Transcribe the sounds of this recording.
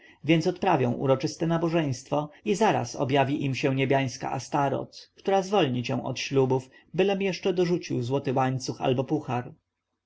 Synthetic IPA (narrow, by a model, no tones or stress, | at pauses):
vʲjɛntsɔt̪pɾavʲjɔ̃w̃ʔṵɾɔt͡ʂɘst̪ɛnabɔʐɛj̃st̪fɔizaɾa̰sɔ̰bjavʲiʔimɕɛ̃ɲebʲjaj̃ska̰ʔast̪aɾɔ̰t̪kt̪uɾazvɔlɲit͡ɕɛw̃ʔɔ̰t̪ɕlubuf | bɘlɛmjɛʂt͡ʂɛd̪ɔʐut͡ɕiwzwɔt̪ɘwaɲt̪suxa̰lbɔpuxaɾ